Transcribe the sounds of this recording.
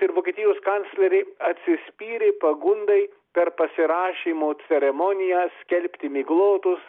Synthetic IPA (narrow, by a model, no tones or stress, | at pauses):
ɪɾʋoːkʲeːt̪ʲiːjoːskɑnʲt̪sʲlʲɛɾʲɛɪɐt̪ʲsʲɪsʲpʲiːɾʲepɐɡʊnd̪ɐɪ | pʲɛɾpɐsʲɪɾɑːʃʲiːmoːt͡s̪ʲɛɾʲɛmoːnʲɪjɛːsʲkʲɛlʲpʲt̪ʲɪmʲɪɡlˠoːt̪ʊs